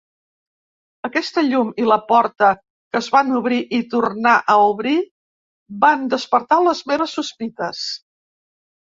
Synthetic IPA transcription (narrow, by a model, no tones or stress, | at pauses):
əkɛst̪əʎumiləpɔɾt̪ə | kəzβanuβɾiʔit̪urnaʔəuβɾi | band̪əspəɾt̪aləzmeɾəsːuspit̪əs